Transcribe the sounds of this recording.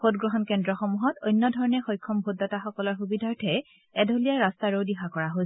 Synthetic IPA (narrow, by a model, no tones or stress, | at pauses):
podɡɹɔɦɔnkɛndɹɔxɔmuɦɔtojnːɔdʱɔɹɔnɛxɔjkʰːɔmbʱodɔtaxɔkɔlɔɹxubidʱaɹtʰɛ | ɛdʱolijaɹastaɹowdiɦakɔɹaɦojs